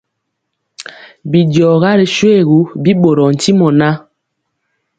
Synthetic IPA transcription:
bi˨djɔ˨ɣa˦ɾi˨ʃwe˦˨ɣu˨˦bi˦ɓo˨ɾɔ˨n̩˨ti˦mɔ˨na˦

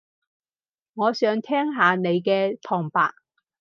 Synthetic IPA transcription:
ŋɔː˨˧sœː˨˧ŋt̪ʰɛː˥ŋɦaː˨˧ne˨˧jkɛː˧t̪ʰɔː˨˩ŋpa̰ː˨k̚

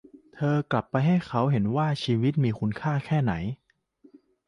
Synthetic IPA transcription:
t̪ʰɤː˧kla˨˩pːa˧jɦa˥˩jkʰa˦˥wɦe˩˦nwaː˥˩t͡ɕʰiː˧wi˦˥t̪̚miː˧kʰu˦˥nkʰaː˥˩kʰɛː˥˩na̰˩˦j

